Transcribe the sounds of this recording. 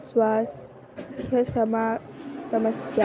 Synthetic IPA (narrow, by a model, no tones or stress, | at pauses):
swasʰ | jəsmasɐməsj